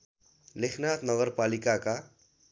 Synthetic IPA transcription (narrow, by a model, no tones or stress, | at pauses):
lekʰnat̪nʌɡʌrpalikaka